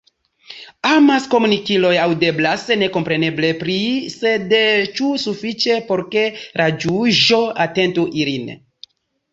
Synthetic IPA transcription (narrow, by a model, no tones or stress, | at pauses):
amasko̞munikilo̞jawde̞blasne̞ko̞mpɾe̞ne̞ble̞pɾise̞dt͡ʃusufit͡ʃe̞po̞ɾke̞ɾʔad͡ʒuʒo̞ate̞ntuʔilin